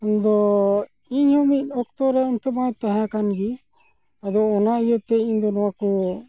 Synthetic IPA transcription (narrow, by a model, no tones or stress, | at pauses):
ɔnd̪ɔ | iɲhumit̪̚ˀɔkt̪ɔɾɛnt̪əmãjt̪ãɦãkanɡi | ad̪ɔːnaijət̪ɛiɲd̪ɔnɔwakɔ